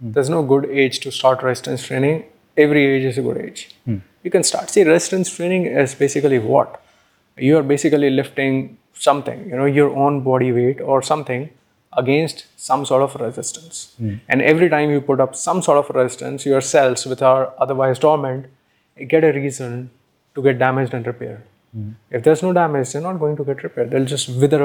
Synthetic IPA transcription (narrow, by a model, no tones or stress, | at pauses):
d̪ɛɾznoːɡʊɖeːd͡ʒʈusʈaːɾʈɾɛsɪʈə̃nsʈʰɾẽːnɪ̃ŋ | ɛʋɾieːd͡ʒɪzəɡʊ̰ɖḛːd͡ʒjuːkɛ̃nsʈa̰ːɾʈsiɾɛɪsɪʈə̃nsʈɾẽːnɪ̃ŋɪzbeːsɪkəliʋɔ̰ʈ | juaɾbeːsɪkəlilɪfʈɪ̃ŋ | sʌ̃mt̪ʰɪ̰̃ŋjunoːjəɾõːnbɔːɖiʋeːʈɔːɾsʌ̃mt̪ʰɪ̃ŋ | ʔəɡẽːnsʈsʌ̃msɔːɾʈɔfɾɛzɪsʈə̃nsɛ̰̃nɖɛʋɾiʈãɪ̃mjuːpʊʈʌpsʌ̃msɔːɾʈɔfɾɛzɪsʈə̰̃nsjoəɾsɛlsʋɪt̪ʰaʊəɾʌd̪əɾʋaɪzʈɔːɾmɛ̃ɳʈ | ɡɛʈəɾiːzə̃n | ʈuɡɛʈ̚ɖæmɪd͡ʒɖɛ̃ɳɖɾɪpḛːɾɖ | ɪfd̪eːɾznoːɖæmɪd͡ʒd̪eɾnɔːʈ̚ɡoːɪ̃ŋʈuɡɛʈɾɪpɛːɾɖ̚d̪eld͡ʒʌsʈʋɪd̪əɾ